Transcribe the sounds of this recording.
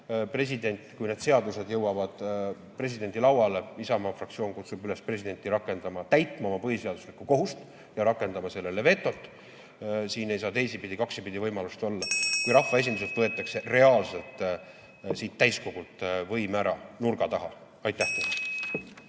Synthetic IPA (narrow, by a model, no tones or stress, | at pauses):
pre̞s̬ʲid̪e̞nʲt̪ːˑkujned̪̥se̞ɑd̪use̞d̪jɤwɑvɑd̪̥ | pre̞s̬ʲid̪e̞nʲd̪ilɑwɑleisɑmɑfrɑk̚tsio̞ːnkut̪sub̥yle̞spre̞s̬ʲid̪̥e̞nʲt̪ːˑiɾɑkːˑe̞nd̪ɑmɑt̪æjt̪ˑmɑomɑpɤɦise̞ɑd̪̥uslikːˑuko̞ɦust̪ | jɑɾɑkːˑe̞nd̪ɑmɑse̞lːe̞leve̞t̪ˑːo̞t̪ːˑ | siːne̞jsɑːt̪e̞jsipid̪ikɑksipid̪ivɤjmɑlust̪o̞lːɑkujɾɑfːɑe̞s̬ʲind̪iset̪vɤe̞t̪ːˑɑkse̞re̞ɑːlse̞lt̪ˑ | siːt̪ːæjsko̞ɡ̥ult̪vɤ̞jmæɾɑnurɡ̥ɑt̪ɑɦɑ | ɑjt̪ːˑæht̪el